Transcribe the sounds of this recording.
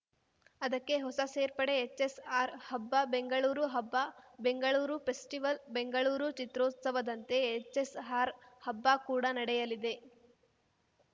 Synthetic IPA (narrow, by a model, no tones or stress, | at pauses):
ɐd̪ɐkːe̞ɦɔsɐseːɾpɐɽe̞ːt͡ʃːesaːɾhɐbːabe̞ŋɡɐɭuːɾuɦɐbːabe̞ŋɡɐɭuːɾupʰe̞sʈiʋɐlbe̞ŋɡɐɭuːɾut͡ʃit̪ɾoːt̪sɐʋɐd̪ɐnt̪e̞ːt͡ʃːesɦaːɾhɐbːakuːɽanɐɽɛjɐlid̪e̞